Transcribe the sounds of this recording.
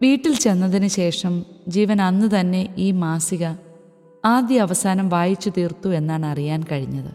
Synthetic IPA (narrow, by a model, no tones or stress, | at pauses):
ʋiːʈːilt͡ɕe̞nːɐðinɨɕe̞ːʂɐmd͡ʑiːʋɐnɐnːɨt̪ɐnːe̞ʔiːmaːsiɣɐ | aːd̪jɐːʋɐsaːnɐmʋaːjit͡ɕːut̪iːrt̪ue̞nːaːɳɨɐrijaːnkɐɻiɲːɐðɨ̰